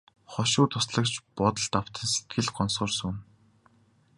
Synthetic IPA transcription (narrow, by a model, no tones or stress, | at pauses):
χɔʃʊːt̪ʰʊsɮə̆kt͡ɕpɔt̪ə̆ɮt̪aw̥t̪ə̆nse̥t̪̚ɡɘ̆ɮkʰɔnsɔːrsun